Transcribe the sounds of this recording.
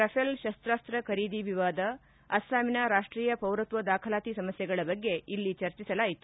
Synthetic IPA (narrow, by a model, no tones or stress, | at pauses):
ɾɐpʰelʃɐst̪ɾaːst̪ɾɐkʰɐɾiːd̪iʋiʋaːd̪ɐː | saːminɐɾaːʂʈɾiːjɐpɐwɾɐt̪ʋɐd̪aːkʰɐlaːt̪isɐmɐsjɛɡɐɭɐbɐɡːe̞ilːit͡ʃɐɾt͡ʃisɐlaːjit̪u